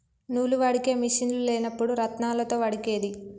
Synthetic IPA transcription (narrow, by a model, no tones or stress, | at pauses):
nuːluʋaɽike̞ːmiʂinluleːnɐpːuɽuɾɐt̪naːlɐt̪o̞ːʋɐɽike̞ːd̪i